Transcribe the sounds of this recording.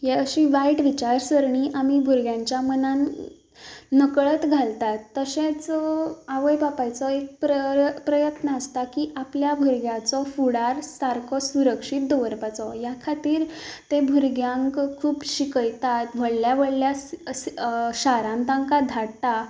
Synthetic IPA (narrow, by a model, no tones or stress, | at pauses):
jeəɕĩʋaiʈʋit͡ɕaɾsəɾɳiːʔamiːbʱuɾɡjãɲt͡ɕjamənan | əkɭət̪ɡʱalt̪at̪ːəɕẽt͡saʋəjbapajt͡sɔek̚pɾəpɾəjət̪nəːst̪akiːʔapljabʱuɾɡjat͡sɔfuɽaɾsaɾkʰɔsuɾəkʂit̪̚d̪ɔʋəɾpat͡sɔjakʰat̪iːɾt̪ẽbʱuɾɡjãŋkkʰuːpɕikəjt̪at̪ʋəɭljaʋəɭlja | ɕaɾãnt̪ãŋkad̪ʱaɽt̪a